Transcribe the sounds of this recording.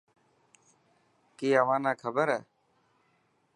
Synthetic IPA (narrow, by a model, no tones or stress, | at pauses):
kiːəʋãːnãːkʰəbəɾɛː